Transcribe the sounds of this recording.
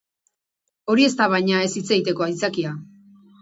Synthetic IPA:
o̞ɾie̞st̪aβ̞ajɲae̞sit͡seit̪e̞ko̞ajt͡sakia

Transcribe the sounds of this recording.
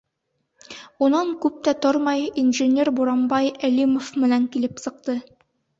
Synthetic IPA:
unɑŋkʉp̚t̪æt̪oɾmɑjinʒɘ̆nʲeɾbuɾɑmbɑjælimofmɘ̆næŋkilɘpsɤ̆q̚t̪ɤ

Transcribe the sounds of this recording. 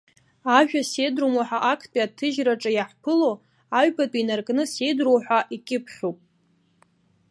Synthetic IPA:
aʒᶣase̞jdrumaħʷᶣaʔakʰpʼiatʰɨʒraʈ͡ʂʼajaħpʰɨlo | aɥbatʼinarkʼnɨse̞jdrowħʷaʔikʲʼɪpʰħupʼ

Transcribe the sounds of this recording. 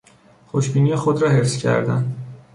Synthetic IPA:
xoʃbiːniːjexod̪ɾɒːɦefscʰæ̰ɾd̪æ̰n

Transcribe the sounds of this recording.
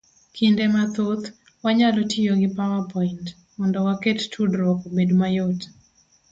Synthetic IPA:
kʰindemat̪ot̪ | waɲalɔtʰijoɡɪpawapɔint | mɔndɔwakettʰudɾɔkobedmajot

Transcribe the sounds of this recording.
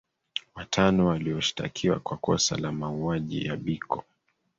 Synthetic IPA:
watʰanɔwaliɔʃi̥ta̰kʰiwa̰kwakɔsa̰lamauaʄḭjaɓikʰɔ

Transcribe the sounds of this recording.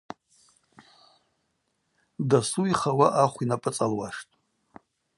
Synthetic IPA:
dasuiχawaʔaχʷinapʼɨt͡sʼalwaʂtʼ

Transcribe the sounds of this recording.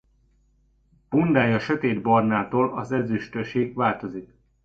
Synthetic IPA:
b̥und̪aːjɒʃøt̪eːd̪bɒrnaːt̪oːlɒzɛzyʃt̪øʃeːɡʋaːlt̪o̞zik

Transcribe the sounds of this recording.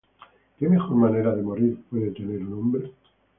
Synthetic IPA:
kemexoɾmaneɾaðemoɾiɾpweðet̪eneɾnõmbɾe

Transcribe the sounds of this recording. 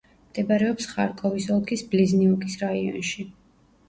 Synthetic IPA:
md̪̥ɛbaɾɛɔpsχa̰ɾkʼɔvisɔlˠkʰisblizniukʼisɾaiɔ̰nʃi

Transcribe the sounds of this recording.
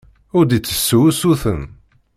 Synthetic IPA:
ʊɾd̪it͡sːə̥sːuusuθə̰n

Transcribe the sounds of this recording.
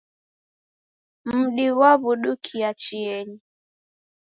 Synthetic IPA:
m̩ɗiɣwaβuɗukʰiat͡ʃiɛɲi

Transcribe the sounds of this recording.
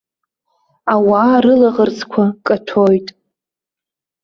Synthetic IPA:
awaːɾɨlaʁərt͡sʰʼkʷʰakʼatʰojtʼ

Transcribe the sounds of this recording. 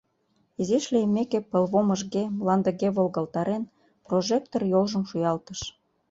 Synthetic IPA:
iziʃlejəmekepə̆lβomə̆ʒɣemlɑnd̪ə̆ɣeβolɣɑlt̪ɑɾen | proʒek̚t̪orjolʒə̆mʃujɑlt̪əʃ

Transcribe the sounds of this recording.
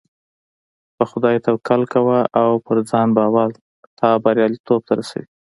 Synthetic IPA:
pəxʊd̪ɑjt̪awkalkawaʔawpəɾd͡zɑnbɑwal | t̪ʰɑbaɾjɑlit̪ob̚t̪aɾasa̰wi

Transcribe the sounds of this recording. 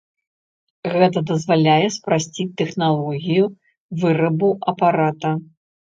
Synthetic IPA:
ɣɛt̪ɐd̪ɐzvalʲajɛspɾasʲt͡sʲit̪ɛxnalˠɔɣʲiju | vɨɾɐbuʔɐpaɾat̪ɐ

